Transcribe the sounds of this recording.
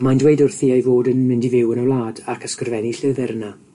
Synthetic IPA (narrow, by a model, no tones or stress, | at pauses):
mandwejdʊrθiːajvoːdənmɪndivɪwənəwlˠaːdakʰəskərvɛniɬɪðɛɾəna